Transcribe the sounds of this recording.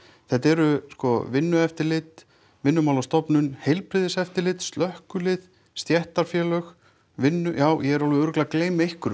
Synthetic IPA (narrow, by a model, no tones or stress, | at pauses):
θɛht̪ɛɾʏskɔvɪnːʏɛft̪ɪɾlɪt̪ | vɪnːʏmaːwlast̪ɔpnʏnhejlpɾɪðɪsɛft̪ɪɾlɪt̪st̪lœhkʏlɪð | st̪jɛht̪aɾ̥fjɛːlœx | vɪnːʏjaːwjɛɛɾɔlvʏœɾʏklakleːjmejhkʏɾ